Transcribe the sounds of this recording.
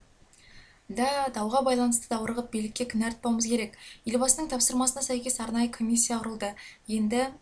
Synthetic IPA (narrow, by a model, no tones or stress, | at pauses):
d̪ɑd̪ɑwʁɑbɑjlˠɑnəst̪əd̪ɑwəɾəʁəp̚bijlɪkʲːe̞kʲʰʏnæɾt̪̚pɑwməzkʲʰeɾe̞kjelbɑsənəɴt̪ʰɑpsəɾmɑsənɑsæjkʲe̞sɑɾnɑjəkʰo̞mʲisʲːijɑqʰʊɾəlˠd̪əje̞nd̪ɪ